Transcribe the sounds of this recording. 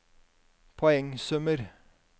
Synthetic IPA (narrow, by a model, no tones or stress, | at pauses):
pʰɔɛŋsʉməɾ